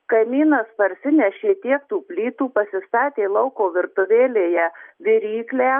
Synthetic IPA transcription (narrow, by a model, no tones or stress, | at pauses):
kɐɪmʲiːnɐspɐɾʲsʲɪnʲɛʃʲeːt̪ʲiɛk̚t̪uːpʲlʲiːt̪uːpɐsʲɪst̪ɑːt̪ʲeːlˠɐʊkoːʋʲɪɾt̪ʊʋʲeːlʲeːjɛʋʲɪɾʲiːklʲæː